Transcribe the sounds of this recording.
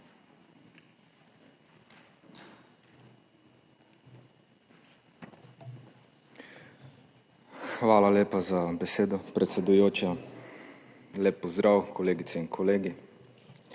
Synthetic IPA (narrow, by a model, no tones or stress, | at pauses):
xʋaːlaleːpazabɛseːd̪ɔpɾɛt̪sɛd̪ujoːt͡ʃa | leːpːɔzd̪ɾaːwkʰɔleːɡit̪sɛinkʰɔleːɡi